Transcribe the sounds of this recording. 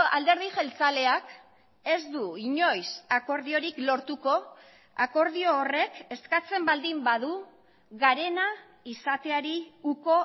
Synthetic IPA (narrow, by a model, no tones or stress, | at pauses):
ald̪e̞ɾð̞iʝe̞lt͡sale̞ak | e̞zd̪uiɲo̞jsako̞ɾðio̞ɾiklo̞ɾt̪uko̞ | ako̞ɾð̞io̞ːre̞ke̞skat͡se̞mbald̪imbaðu | ɣaɾe̞na | isat̪e̞aɾiuko̞